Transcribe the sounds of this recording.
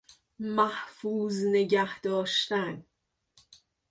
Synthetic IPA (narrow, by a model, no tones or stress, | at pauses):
mæhfuːzne̞ɟæhd̪ɒːʃt̪æn